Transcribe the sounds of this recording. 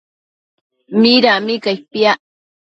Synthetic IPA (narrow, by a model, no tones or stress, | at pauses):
miɾamikajpiaʔ